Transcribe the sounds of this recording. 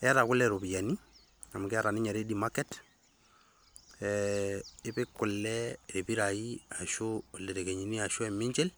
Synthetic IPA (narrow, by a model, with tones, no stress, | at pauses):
ɛ˦a˦ɾa˨kʊ˦lɛɾo˨bi˨ja˨ni˦ | a˨m˨kɪ˦a˦ɾa˨nɪ˦ɲa˨ɾe˦di˨ma˦kɛt | ɛ | ɪ˦pɪ˦kʊ˨lːɛe˨bi˦ɾa˨i˦a˨ʃʊ˨le˨ɾe˨ke˨ɲi˨ni˦a˨ʃʊ˦ɛ˨mɪ˦ɲt͡ʃɛ˦l